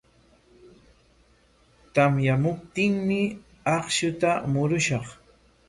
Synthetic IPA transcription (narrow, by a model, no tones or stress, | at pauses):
t̪amjamʊp̚t̪ɪŋmɪ | ɑχʃʊt̪amʊɾʊʃɑχ